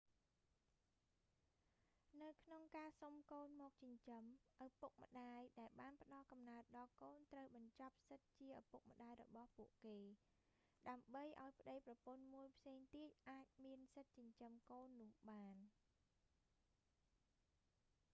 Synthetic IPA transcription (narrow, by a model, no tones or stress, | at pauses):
nɨwkʰnoŋkaːsomkoːnmɔːk̚t͡ɕəɲt͡ɕəmʔəpuk̚mə̆ɗaːjɗaɛlɓaːnpə̆ɗɑlkɑmnaət̪̚ɗɑlkoːnt̪rəwɓɑɲt͡ɕɑp̚sɨt̪̚t͡ɕiəʔapuk̚mə̆ɗaːjrɔ̰ɓɑhpuəʔkeː | ɗaəmɓəjʔa̰ɔjpʰə̆ɗəjprɑpuənmuəjpʰseːŋt̪iət̪̚ʔaːc̚miənsɨt̪̚t͡ɕəɲt͡ɕəmkoːnːʊ̆əhɓaːn